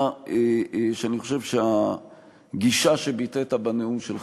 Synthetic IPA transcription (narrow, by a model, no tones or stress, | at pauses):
eʃeaniχoʃevʃea | ɡiʃaʃebitetabaneumʃel